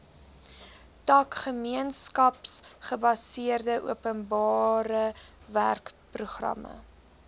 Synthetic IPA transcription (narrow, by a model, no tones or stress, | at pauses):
tɐkχəmiənskɐpsχəbɐsiərdəʔuəpənbɑːɾə | væ̰rkpruχrɐ̰mə̰